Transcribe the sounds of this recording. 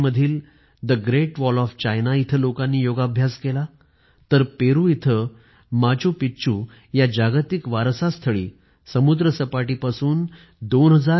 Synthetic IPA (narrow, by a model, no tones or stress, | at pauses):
məd̪ʱiːl | d̪əɡɾeʈʋɔlɔft͡ɕajnait̪ʰəlokãnːiːjoɡabʱjaskela | t̪əɾpeɾũit̪ʰə | mad͡ʑũpit͡ɕu | jad͡ʑaɡt̪ikʋaɾsast̪ʰəɭḭː | səmud̪ɾəsəpaʈiːpasuːn | d̪onɦəd͡za